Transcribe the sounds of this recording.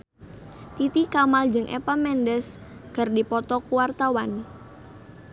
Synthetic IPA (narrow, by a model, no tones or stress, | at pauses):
t̪it̪ikamald͡ʒɨŋʔɛ̰pamɛndəskərdipɔt̪ɔkuwart̪awan